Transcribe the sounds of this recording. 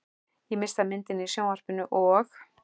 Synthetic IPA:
jɛmɪr̥saðmɪnt̪ɪnisjoːwar̥pɪnʏʔɔx

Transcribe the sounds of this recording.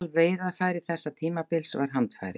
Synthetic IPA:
lveːjɾaðfaːjɾɪ̥θɛsːat̪ʰiːmapɪlsva̰ɾ̥ɦant̪fa̰jɾɪ

